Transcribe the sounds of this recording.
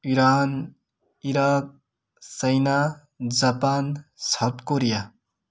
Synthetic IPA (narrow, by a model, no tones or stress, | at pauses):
iɾan | iɾak̚ | sʌjna | d͡zapansʌt̪koɾija